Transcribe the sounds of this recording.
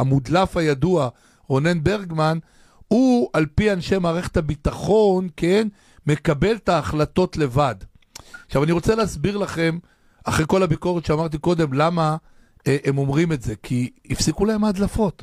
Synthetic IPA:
amud̪lafajadua | ʁo̞ne̞nbe̞ʁɡman | ualpianʃe̞maːʁeχethabit̪aχo̞nken | me̞kabe̞ltaːχlato̞tle̞vad̪ | aχʃavaniʁo̞t͡seleasbiʁlaχe̞m | aχʁekolabiko̞ʁetʃeamaʁt̪̬iko̞d̪e̞mlama | ʔemo̞mʁime̞tze̞kʰiː | fsikulaemad̪lafo̞t̪

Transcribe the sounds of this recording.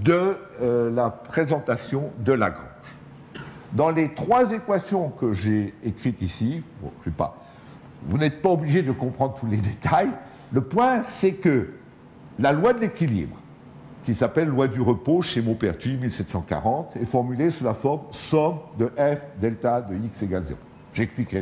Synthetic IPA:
d̪ə | lapχezɑ̃t̪asjɔ̃d̪əlaɡʁɑ̰̃ʒ | d̪ɑ̃let̪χwazekwasjɔ̃kəʒeːkχit̪isiɔ̰̃ʒəvɛpa̰ | vunɛt̪̚paɔbliʒed̪əkɔ̃pχɑ̃d̪ʁət̪uled̪et̪aj | ləpwɛ̃sɛkə | lalwad̪əlekʲilḭbʁ | kʲisapɛlːwad̪yʁəpoʃemopɛʁt̪imilsɛt̪sɑ̃ka̰ʁɑ̃t̪ɛfɔʁmylesulafɔʁmsɔmd̪əʔɛfd̪ɛlt̪ad̪əikseɡalzḛ | ʒɛksplike

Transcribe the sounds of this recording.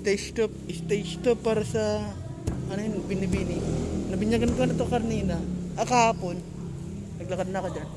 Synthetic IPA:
t̪ɐst̪op̚ɪst̪ɐst̪opːaːɾɐsɐ | ɐnojnbɪnibinɪnɐbɪɲaɡɐnkanɐt̪okɐɾniːnaʔɐkaːpon | nɐɡ̚lɐkad̪̚nɐkod͡ʒan

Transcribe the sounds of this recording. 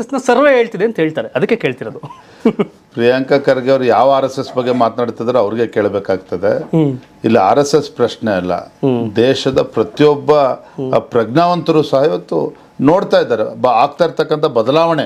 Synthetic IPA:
sesnɐsɐɾʋeɦeːɭt̪id̪eɐnt̪ɦeːɭt̪aːɾeʔɐd̪ɐkːeke̞ːɭt̪iɾod̪u | pɾiːjaŋkɐkɐɾɐɡɐʋɐɾujaːʋɐaːɾesesbɐɡːe̞maːt̪naːɖt̪id̪ɐɾeɐʋɐɾiɡe̞keːɭbeːkaːɡ̚t̪ɐd̪e̞ | ilːia̰ːɾesespɾɐʃɳeɐlːɐ̰d̪ɛːʃɐd̪ɐpɾɐt̪ijɔbːɐpɾɐɡɳaːʋɐnt̪ɐɾuːsɐɦɐiʋɐt̪ːu | no̞ːɽt̪aːjid̪ːaːɾebaːɡ̚t̪aːjiɾt̪ɐkːɐnt̪ʰɐbɐd̪ɐlaːʋɐɳe

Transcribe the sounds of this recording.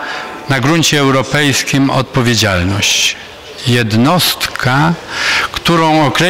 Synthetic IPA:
naɡɾuɲt͡ɕɛːwɾɔpɛjskʲimɔ̰t̪̚pɔvʲjed͡ʑalnɔɕt͡ɕ | jɛd̪nɔst̪kʰa | kt̪uɾɔ̃w̃ɔkɾɛ

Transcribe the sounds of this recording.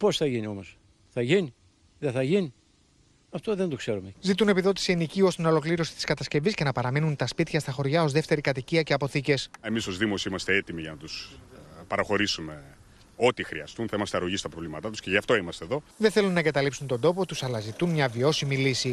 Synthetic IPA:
po̞sθɐʝinio̞mo̞s | θɐʝini | ðeθɐʝini | ɐft̪oðend̪okseɾumezit̪̬une̞piðo̞t̪i̥siinicio̞st̪ino̞lo̞kliɾo̞si̥t̪i̥skɐt̪ɐsce̞visce̞nɐpɐɾɐminunt̪ɐspit̪çɐst̪ɐxo̞ɾʝɐo̞zðe̞ft̪e̞ɾikɐt̪iciɐce̞ɐpo̞θice̞se̞miso̞zðimo̞siimɐst̪eet̪imiʝɐnɐt̪uspɐɾɐxo̞ɾisume̞ | o̞t̪ixɾḭɐst̪unθɐimɐst̪eɐɾoʝist̪ɐpɾovlimɐt̪ɐt̪usce̞ʝɐft̪o̞imɐst̪eðo̞ðeθe̞lunːɐeŋɡɐt̪ɐlipsunt̪ond̪o̞po̞t̪usɐlɐzit̪unmɲɐvio̞similisi

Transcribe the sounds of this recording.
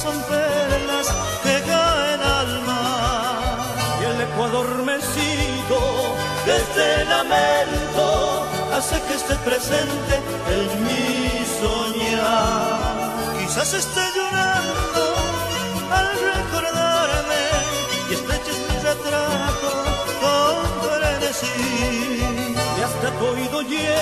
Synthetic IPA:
so̞mpelas | keɣaenalma | ele̞kwaðo̞ɾme̞siɣo | ðezðelament̪o | asekest̪e̞pɾe̞se̞nt̪e̞ | eŋmi | soɲa | kisase̞st̪eʎoɾand̪o | alreko̞ɾðaɾme | est̪ɾet͡ʃesmizet̪ɾat̪o | fobeɾenesi | ast̪at̪oiðo̞ʝ | e

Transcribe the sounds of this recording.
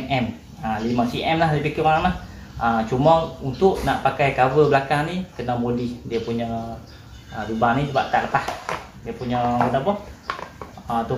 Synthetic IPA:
ɛʔɛm | alimasiʔɛmlaɦlipikiwaɾaŋlah | ət͡ʃumɔŋunt̪ʊʔnaʔpakajkawəbəlakaŋnikənamodɪhdiəpuɲa | ədubaŋnid͡ʒəbaʔk̪aʔləpah | diəpuɲaɡədapɔh | ət̪u

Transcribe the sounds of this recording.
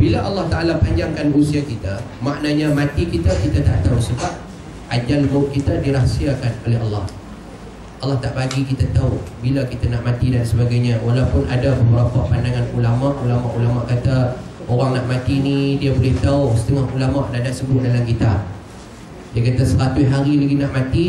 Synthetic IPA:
bilaʔalːɑht̪aʔalapaɲd͡ʒaŋkanusiakit̪amaʔnaɲamãt̪ikit̪akit̪at̪a̰ʔt̪ausəbap̚ | ad͡ʒalboʔkit̪adiɾahsiakanoleɦɑlːɑh | ʔɑlːɑht̪aʔbaɡikit̪at̪aubilakit̪anaʔmãt̪idansəbaɡajɲãwalawpʊnʔadapəbəɾapaʔpandaŋãnulamaʔulamaʔulamaʔkat̪a | oɾaŋnaʔmat̪inĩdiabolɪht̪aʊsə̥t̪əŋaɦulamaʔnadaʔsəbʊt̪̚dalamkit̪a | jakat̪asəɾat̪ʊɦaɾilaɡinaʔmat̪i

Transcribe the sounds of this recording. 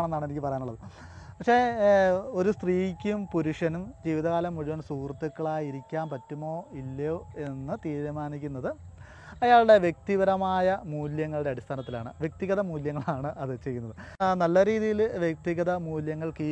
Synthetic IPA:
ɳenːaːɳenikʲːɨpɐrɐjanuɭːɐðɨ | pɐkʂe̞ː | o̞ɾust̪riːkʲːumpuɾuʂɐnumd͡ʑiːʋiðɐɣaːlɐmːuɻuʋɐnsuːrt̪ːukːɐɭaːjiɾikʲːaːmpɐtːumo̞ːilːoːe̞nːɨt̪iːɾumaːnikʲːunːɐðɨ | ɐjaːɭɽe̞ʋjek̚t̪iʋɐɾɐmaːjɐmuːljɐŋːɐɭuɽe̞ɐɽist̪ʰaːnɐt̪ːilaːɳɨ̰ʋjek̚t̪iɣɐðɐmuːljɐŋːɐɭaːɳɨʔɐðɨt͡ɕe̞jːunːɐðɨnɐlːɐɾiːðijilʋjek̚t̪iɣɐðɐmuːljɐŋːɐɭki

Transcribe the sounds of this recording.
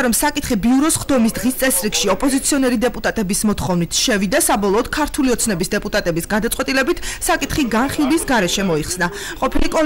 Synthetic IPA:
ɾɔmsakʼit̪χibiuɾɔsχd̪ɔmisd̪ʁist̪sʼɛsɾikʃiɔpʼɔzit̪sʰiɔnɛɾid̪ɛpʼut̪ʼat̪ʼɛbismɔt̪ʰχɔvnit̪ʰʃɛvid̪asabɔlˠɔːd̪̥kʰaɾt̪ʰuliɔt̪sʰnɛbisd̪ɛpʼut̪ʼat̪ʼɛbisɡad̪at̪sʼwɛt̪ʼilɛbit̪ʰsakʼit̪χiɡanχilˠbisɡaɾɛʃɛmɔiχsna | qʼɔpʰilikʼɔ

